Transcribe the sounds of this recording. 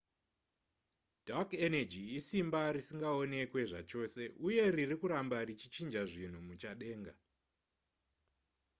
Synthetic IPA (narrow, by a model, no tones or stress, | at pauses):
d̥ʱakenad͡ʒiisimbaɾisiŋɡao̞ne̞kwe̞ʐat͡ʃo̞ːse̞ʔuje̞ririkuɾambarit͡ʃit͡ʃind͡ʒaʐin̤umut͡ʃaɗe̞ːŋɡa